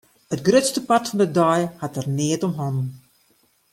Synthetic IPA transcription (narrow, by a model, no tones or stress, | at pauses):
ətɡrøtstəpatfɔndədɔjhatərnɪətɔmɦɔnn